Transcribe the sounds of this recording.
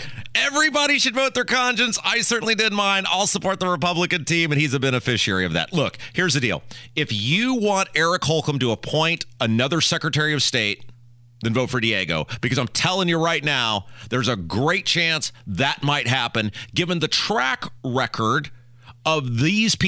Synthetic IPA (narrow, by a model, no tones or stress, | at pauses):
ɛvɹibɑɾiʃɨdvoʊt̪̚ðə˞kʰɑ̃nʃɨ̃nsaɪsɜ˞ʔn̩lidɪdⁿn̩mãɪ̃nda̰ɪlˠsəpʰɔɹt̪̚ðəɹəpʌbləkɨ̃ntĩmɨ̃nizɨbɛñɨfɪʃiɛ̰ɹiʌvðæ̰tˡlʊkhɪɹzðɨdḭlˠɪfjɨwɑ̃ntɛɹɨkhɔlˠkə̃mtəːpʰɔ̃ɪ̃ntənʌðə˞sɛkɹɨtʰɛɹiʌv̥steɪt̪̚ | ðɨ̃nvoʊtfə˞dieɡo̰ʊb̥ɨkʰʌzãɪ̃mtʰɛlˠɪ̃ŋjə˞ɹaɪtⁿnaʊðə˞zəɡɹeɪt̚t͡ʃʰæ̃nsðɨt̚maɪt̚ɦæpɨ̃nɡɪvɨ̃nðɨtʰɹ̥ækɹɛkʰə˞ɾ | ʌvðiz̥p